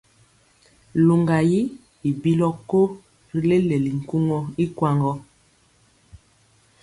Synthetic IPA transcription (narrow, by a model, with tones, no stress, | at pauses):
lu˨ŋɡa˨ji˦ | i˨bi˦lɔ˦ko˦ | ɾi˨le˦le˨li˨ŋ̩˨ku˦ŋɔ˦i˦kwa˦ŋɡɔ˦